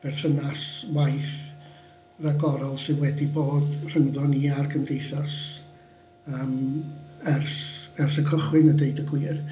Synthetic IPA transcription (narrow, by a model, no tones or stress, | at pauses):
b̥ɛrθənaswajθ | raɡɔɾɔlˠsɨðwɛdiboːdr̥əŋðɔniarɡʰəmdejθas | əːm | ɛrsɛrsəkʰəχwɪnədeɨdəɡwiːr